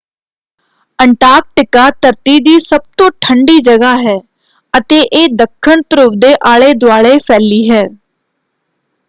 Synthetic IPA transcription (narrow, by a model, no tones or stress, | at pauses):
əɳʈaːɾk̚ʈɪkaːt̪əɾt̪iːd̪iːsəb̚t̪õːʈʰəɳɖiːd͡ʒəɡaːɦɛː | ət̪eːʔeːd̪əkʰːəɳt̪əɾʊʋd̪eːʔaːɭeːd̪ʊaːɭeːpʰɛːliːɦɛː